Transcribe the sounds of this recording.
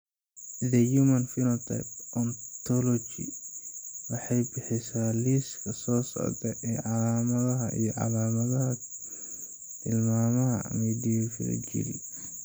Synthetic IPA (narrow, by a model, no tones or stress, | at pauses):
d̪ɐjumɐnfɪlɔt̪ʰɐ̰pʔɔnt̪ʰɔlɔt͡ʃḭ | wɑħɑjbɪħɪsaːliskʰɐsɔːsɔ̰ɡɐʔɛːʕɑlaːmɐðɐɦɐʔḭjɔʕɑ̰laːmɐðɐɦɐ | t̪ʰɪlmaːmɐɦɐ̰miːd̪ijɔfɪ̰ɾɐ̰t͡ʃḭɾḭ